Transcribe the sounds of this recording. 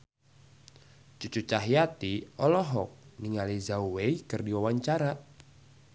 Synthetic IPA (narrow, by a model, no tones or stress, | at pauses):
t͡ʃut͡ʃut͡ʃaɦijat̪iɔlɔɦɔk̚niŋalizauwejkərdiwawaɲt͡ʃaɾa